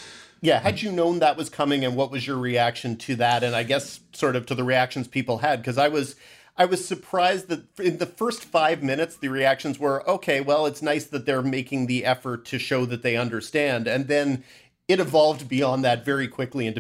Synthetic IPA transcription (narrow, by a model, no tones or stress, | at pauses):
jæhɨd͡ʒɨnõʊ̃nðəʔ̚wʌz̥kʰʌmɪ̃ŋɨ̃nwʌt̚wʌzjə˞ɹiækʃɨ̃ntʰɨðɨɾɨ̃naɪɡɛsːɔɹɾʌv̥tʰɨðɨɹiækʃn̩z̥pʰipl̩ˠɨd̚kʰʌzaɪwʌz | ʔaɪwʌz̥sə˞pʰɹ̥aɪz̚ðɨt̚ɨ̃nðɨfɜ˞stfaɪvmɪ̃nɨtsðɨɹiækʃɨ̃n̩zwə˞ʔoʊkʰeɪwɛlˠətsnaɪsðɨt̪̚ðə˞meɪkɪ̃ŋðiʔɛfə˞tʰɨʃoʊðɨt̪̚ðeɪʌ̃ndə˞stæ̃ndɨ̃nðɨ̃n | ɨɾɨvɑlˠvd̚biɑ̃nðɨtvɛɹikʰw̥ɪkliɨ̃n